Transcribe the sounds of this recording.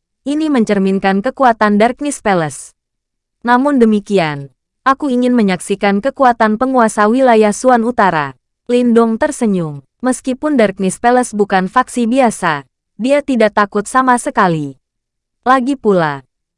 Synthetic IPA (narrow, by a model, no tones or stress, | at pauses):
ʔiniməɲt͡ʃərminkankəkuat̪andark̚nispɛləs | namʊndəmikian | ʔakuiŋɪnməɲaksikankəkuat̪anpəŋuasawilajahsuanut̪aɾa̰ | lindʊŋt̪ərsəɲʊŋ | məskipʊndark̚nispeləsbukanfaksibiasa | diat̪idakt̪akʊt̪̚samasəkali | laɡipula